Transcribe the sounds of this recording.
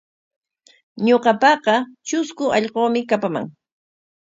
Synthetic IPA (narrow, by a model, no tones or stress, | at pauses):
ɲoqɑpɑqɑt͡ʃʊskʊʔɑʎqoːmɪkapama̰ŋ